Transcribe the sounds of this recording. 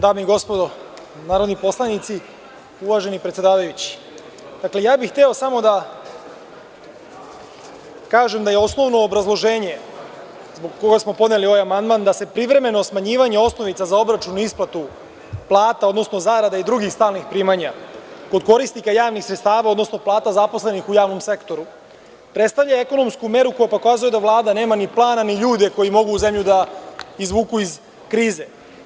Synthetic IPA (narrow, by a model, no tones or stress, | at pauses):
d̪aːmiiɡo̞spo̞d̪o | naːɾod̪nipo̞slˠanit̪si | uʋaʒe̞nipɾet̪sed̪aːʋajut͡ɕi̥ | d̪akle̞jaːbixt̪eo̞samo̞d̪a | kaːʒemd̪aje̞o̞sno̞ʋno̞ːbɾazlˠo̞ʒeːɲe̞ | zboɡkːo̞ɡasmo̞po̞d̪ne̞lio̞ʋajamand̪mand̪ase̞pɾiʋɾe̞me̞no̞smaɲiːʋaɲeo̞sno̞ʋit̪sazao̞bɾat͡ʃunuisplˠat̪u | plˠaːt̪ao̞d̪no̞sno̞zaɾad̪aid̪ɾuɡixst̪aːlˠnixpɾiːmaɲako̞d̪ko̞ɾisikajaːʋnixsɾet̪st̪aːʋaod̪no̞sno̞plˠaːt̪azapo̞sle̞nixujaːʋno̞mse̞kt̪o̞ɾu | pɾet̪st̪avʎaeko̞no̞mskume̞ɾuko̞jepo̞kaːzujed̪avlˠaːd̪ane̞ːmaniplˠaːnaniʎuːd̪e̞ko̞jimo̞ɡuːzemʎud̪aizʋuːkuiz | kɾiːze